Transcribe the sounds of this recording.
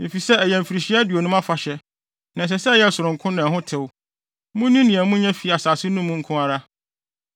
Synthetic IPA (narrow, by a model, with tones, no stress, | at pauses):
mɪ̃˨fi˨sɛ˦æ˨jɛ̃˨m˨fi˨ɾi˨ɕi˦a˦dɥo˨nʊ̃˦mã˦fa˨ɕɛ˦ | nã˨s̬ɛ˨sɛ˦˨jɛ˦˨sʊ˨ɾʊ̃˨ŋ˨kʰʊ̃˦nã˨ɦʊ̃˦tʰɪ˨w | mʊ̃˦nĩ˦nĩ˨æ̃˨mũ˦ɲɛ̃˦fi˨a˨saː˨sɪ˦nũ˦mũ˦ŋ̩˦kʰʊ̃˦a˦ɾa˦